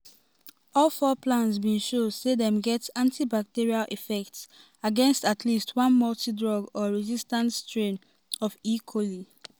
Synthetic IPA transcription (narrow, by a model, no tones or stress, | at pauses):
ɔlfɔpʰlãnsbĩʃodseðɛ̃mɡɛtãntʰibak̚tiɹialʔifɛk̚ts | aɡɛ̃nstatʰlistʰwʌ̃nmɔltidɹɔɡɔɹɛzistãntstɹẽn | ɔfikʰwɔli